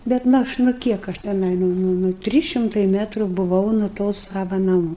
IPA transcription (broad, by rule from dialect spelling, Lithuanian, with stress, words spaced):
ˈbʲɛt nʊ ˈɐʃ nʊ ˈkʲiɛk ɐʃ tʲɛˈnɐɪ ˈnʊ ˈnʊ ˈnʊ ˈtʲrʲiːs ʃʲɪmˈtɐɪ ˈmʲæːtrʊ bʊˈʋɐʊ nʊ ˈtoː ˈsɑːʋɐ nɐˈmuː